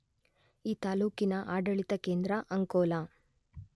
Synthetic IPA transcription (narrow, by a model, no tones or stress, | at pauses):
iːt̪aːluːkinɐʔaːɖɐɭit̪ɐkeːnd̪ɾɐʔɐŋkoːla